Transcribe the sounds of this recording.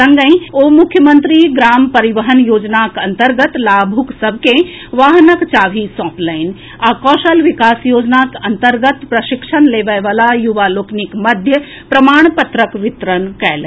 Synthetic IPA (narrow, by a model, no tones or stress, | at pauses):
sɐ̃ŋɡə̃ĩoːmʊkʰjəmə̃nt̪ɾiɡɾaːmpɐɾiʋəɦənjoːd͡ʒnakɐ̃nt̪əɾɡət̪laːbʱuksɐbʱkẽ | ʋaːɦənəkt͡ʃaːʋʱisɔ̃ːplaɪn | aːkɔːʃəlʋɪkaːsjoːd͡ʒnaːkɐnt̪əɾɡət̪pɾɐʃɪkʃənleːʋəjʋaːlajuʋaːloːknikmɐd̪ʱjə | pɾɐmaːɽ̃pɐt̪ɾəkʋɪt̪ɾənkɐjl